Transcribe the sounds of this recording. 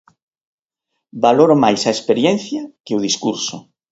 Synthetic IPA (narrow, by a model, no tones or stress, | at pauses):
baloɾomajsɐespeɾjɛn̟θjɐkeuðiskuɾso